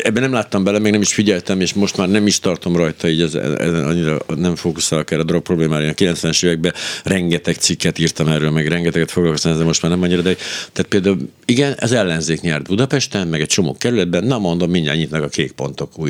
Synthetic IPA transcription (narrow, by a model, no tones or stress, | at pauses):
ɛbːɛnɛmlaːt̪ːɒmbɛlɛmɛɡnɛmiʃfiɟɛlt̪ɛmeːʃmo̞ʃt̪maːrnɛmiʃt̪ɒrt̪o̞mrɒjt̪ɒiːɟɛz̰ɛ̰ɒ̰ɲːiɾɒ̰nɛɱfoːkusaːlkɛːɾːɛːd̪rok̚pro̞bleːmaːɾenɒkilɛnt̪sʋɛnɛʃeːvɛɡ̚bɛrɛŋɡɛt̪ɛkt̪sikːɛt̪iːrt̪ɒmɛrøːlmɛɡrɛŋɡɛt̪ɛɡɛt̪foɡlɒlkost̪amɛzɛmo̞ʃt̪maːrnɛmɒɲːiɾɒd̪ɛɦoɟt̪aːt̪̚peːld̪aːul | iɡɛnɛ̰zɛlːɛnzeːkɲɛrd̪bud̪ɒpɛʃt̪ɛnmɛɡɛc̚t͡ʃo̞mo̰ːkɛɾylɛd̪̚bɛnːɒmo̞nd̪o̞mːiɲːa̰ːɲit̪nɛkɒkeːk̚po̞nt̪o̞kuːj